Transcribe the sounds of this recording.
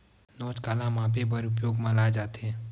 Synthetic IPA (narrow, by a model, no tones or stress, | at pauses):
nɔːt͡ʃkaːlãmãːpebəɾʊpjoːɡmãlaːd͡ʒaːt̪ɛː